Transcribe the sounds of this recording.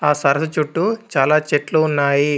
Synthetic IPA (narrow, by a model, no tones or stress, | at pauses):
aːsɐɾɐsɐt͡ʃuʈːut͡ʃaːlaːt͡ʃeʈluunːaːji